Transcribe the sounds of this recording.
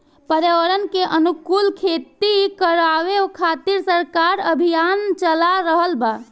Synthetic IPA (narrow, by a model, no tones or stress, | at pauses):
pəɾjaʋəɾənkeʔənukulkʰet̪ikəɾaʋeokʰat̪iɾsəɾkaɾəbʱijant͡ʃəlaɾəɦəlba